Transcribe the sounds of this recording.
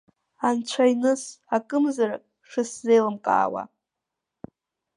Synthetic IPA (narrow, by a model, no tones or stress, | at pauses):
ant͡ɕʷʰajnɨsakʼɨmzaɾakʼ | ʂɨszejlɨmkʼa̰ːwa̰